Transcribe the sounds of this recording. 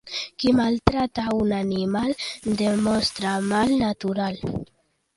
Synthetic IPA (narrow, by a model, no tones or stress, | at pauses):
kimalt̪ɾat̪aunanimald̪emonst̪ɾamalnat̪uɾal